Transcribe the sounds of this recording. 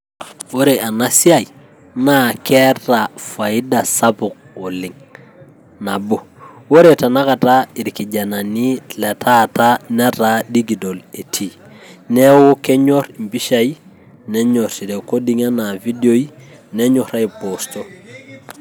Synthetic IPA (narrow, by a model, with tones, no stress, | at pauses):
wo˦ɾe˨ʔa˨na˦si˦a˨j | na˦kɛ˦ɾa˨fa˨i˦da˨sa˦pʊ˨k̚ɔ˨lɪ˨ŋ | na˨bo˨wo˦ɾe˨ta˨na˦ka˨ta˦i˨ɾki˨d͡ʒa˨na˨ni˦lɛ˨tʰa˦ta˦nɛ˦ta˦di˦ɡi˨do˨le˨tʰi˦˨ | nɛ˦wo˦kɛ˦ɲɔ˦ɾi˨mbi˦ʃa˦i˦ | nɛ˦ɲɔ˨ɾti˨ɾɛ˨ko˦di˨ŋa˦na˨vi˦do˦i˦ | nɛ˦ɲɔ˨ɾa˦i˨po˨st͡ʃɔ˦